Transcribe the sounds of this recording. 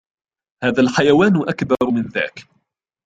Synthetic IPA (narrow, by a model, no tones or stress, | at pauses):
haːðaːlħajawaːnʔakbɑɾˤmɪnða̰ːk